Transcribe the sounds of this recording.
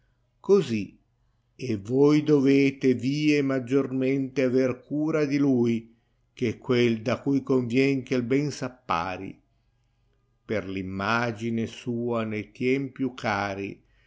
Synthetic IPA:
kozi | evojd̪oveːt̪eviːemad͡ʒːorment̪eaverkuːɾad̪iluj | kekːweld̪akujkoɱvjɛŋkelbɛnsapːa̰ːɾḭ | perlimːad͡ʒinesuːanejt̪jɛmpjukʰːaːɾḭ

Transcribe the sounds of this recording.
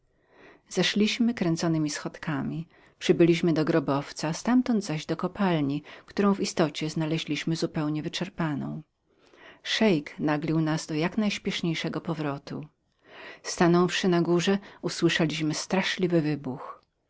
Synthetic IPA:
zaʂlʲiɕmɘkɾɛnt̪sɔnɘmʲisxɔt̪kamʲi | pʂɘbɘlʲiɕmɘd̪ɔɡɾɔbɔft̪sast̪amt̪ɔnd̪zaʑd̪ɔkɔpalɲikt̪uɾɔ̃w̃vist̪ɔt͡ɕɛznalɛʑlʲiɕmɘzupɛwɲɛvɘt͡ʂɛɾpanɔ̰̃w̃ | ʂɛjknaɡlʲiwnazd̪ɔjaknajɕpʲjɛʂɲejʂɛɡɔpɔvɾɔt̪ṵ | st̪anɔfʂɘnaɡuʐɛuswɘʂɛlʲiɕmɘst̪ɾaʂlʲivɘvɘbux

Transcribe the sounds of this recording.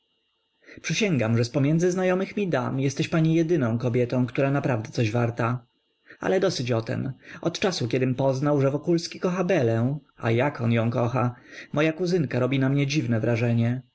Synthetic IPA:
pʂɨɕɛŋɡamʐɛspɔmʲjɛnd̪zɘznajɔmɘxmʲid̪a̰mjɛst̪ɛɕpaɲijɛd̪ɘnɔ̃w̃kɔbʲjɛt̪ɔ̃w̃kt̪uɾanapɾavd̪ɛt̪sɔʑvaɾt̪a | a̰lɛd̪ɔsɘt͡ɕɔt̪ɛ̰mɔt̪t͡ʂasukʲɛd̪ɘmpɔznawʐɛvɔkulskʲikɔxabɛlɛ | a̰jakɔnjɔ̃w̃kɔxamɔjakuzɘŋkaɾɔbʲinamɲɛd͡ʑivnɛvɾaʐɛɲɛ

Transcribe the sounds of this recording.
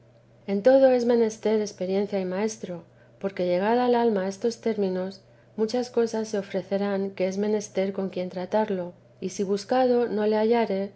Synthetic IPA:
e̞nt̪o̞ð̞o̞e̞zmẽ̞ne̞st̪e̞ɾe̞spe̞ɾjẽ̞n̟θjaimae̞st̪ɾo̞ | po̞ɾke̞ʎe̞ɣ̞aðaːlalmae̞st̪o̞st̪e̞ɾmĩno̞s | mut͡ʃasko̞sasːe̞o̞fɾe̞θe̞ɾaŋke̞ezmẽ̞ne̞st̪e̞ɾko̞ŋkje̞nt̪ɾat̪aɾlo̞ | isiβ̞uskaðo̞no̞le̞aʝaɾe̞

